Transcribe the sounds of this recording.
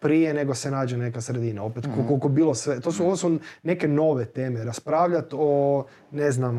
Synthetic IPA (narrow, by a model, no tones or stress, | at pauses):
pɾijene̞ɡo̞senaːd͡ʒene̞kasɾed̪iːnao̞pet̪kolkolkobiːlosʋet̪oːsuoʋosune̞ke̞no̞ʋet̪eːmeɾaspɾaːʋʎat̪o | neznam